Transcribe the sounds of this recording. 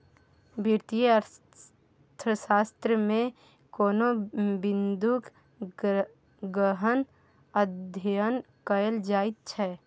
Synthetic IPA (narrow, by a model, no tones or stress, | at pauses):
bʱiɾt̪ijəəɾ | t̪ʰəsaːst̪ɾəmẽ | koːnobɪ̃nd̪uk | ɡəɦən | ədd̪ʱəjən | kəjəld͡ʒaːɪt̪̚t͡ʃʰɛː